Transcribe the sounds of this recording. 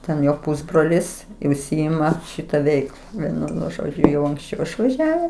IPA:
ˈtʲɛn ˈjoː ˈpʊzbroːlʲɪs ɪ ʊʃʲˈsʲɪɪmɐ ˈʃʲɪtɐ ˈʋʲɛɪklˠɐ ˈʋʲiɛnʊ nʊ ˈʒoːd͡ʒʲʊ jɛʊ ɐŋksʲˈt͡ʃʲɛʊ ɪʃʋɐˈʒʲæːʋʲɛs

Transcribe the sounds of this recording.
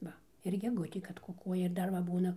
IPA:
ˈʋɐ ɪr ɡʲɛˈɡʊtʲeː kɐt kʊˈkuɔjɛ ɪr ˈdɐr ʋɐ ˈbuːnɐ

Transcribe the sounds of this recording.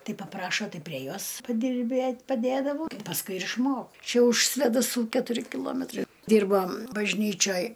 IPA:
ˈtɐɪ pɐˈprɑːʃoː ˈtɐɪ pʲrʲiɛ ˈjoːs pɐdʲɪrʲˈbʲeːtʲ pɐˈdʲeːdɐʋɐʊ pɐsˈkʊɪ ɪr ɪʃˈmoːk ˈt͡ʃʲɛ ʊʃ sʲʋʲeːdɐˈsuː kʲɛtʊˈrʲɪ kʲɪˈlˠoːmʲɛtrɐɪ ˈdʲiːrbɐ bɐʒʲˈnʲiːt͡ʃʲoːj

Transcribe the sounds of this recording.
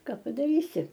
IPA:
ˈkɐ pɐdɐˈrʲiːsʲɪ

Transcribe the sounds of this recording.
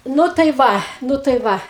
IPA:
ˈnʊ tɐɪ ˈʋɐ ˈnʊ tɐɪ ˈʋɐ

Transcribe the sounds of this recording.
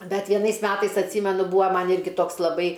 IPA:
ˈbʲɛt ʋʲiɛˈnɐɪs ˈmʲæːtɐɪs ɐtʲˈsʲiːmʲɛnʊ ˈbuːɐ ˈmɐn ˈɪrʲɡʲɪ ˈtoːks lˠɐˈbɐɪ

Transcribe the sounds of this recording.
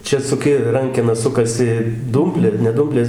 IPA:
ˈt͡ʃʲɛ sʊˈkʲɪ ˈrɐŋʲkʲɛnɐ ˈsʊkɐsʲɪ ˈduːmʲpʲlʲeː nʲɛ ˈduːmʲpʲlʲeːs

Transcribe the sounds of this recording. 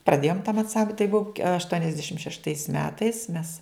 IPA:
prɐˈdʲeːjoːm tɐm ɐnˈsɐmp tɐɪ ˈbʊʋoː ɐʃtuɔnʲɛzʲˈdʲæːʃʲɪm ʃʲɛʃˈtɐɪs ˈmʲæːtɐɪs mʲɛs

